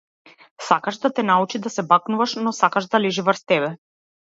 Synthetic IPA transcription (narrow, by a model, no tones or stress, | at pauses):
sakaʃd̪at̪ɛnaut͡ʃid̪asɛbaknuvaʃnɔsakaʃd̪alɛʒivərst̪ɛbɛ